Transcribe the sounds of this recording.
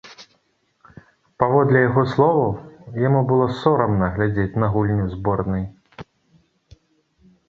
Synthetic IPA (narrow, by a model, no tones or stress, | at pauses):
pavɔd̪lʲɛjaɣɔslˠɔvɐwjamubɨlˠɔsɔɾɐmnɐɣlʲad͡zʲet͡sʲnɐɣulʲnʲizbɔrnɨj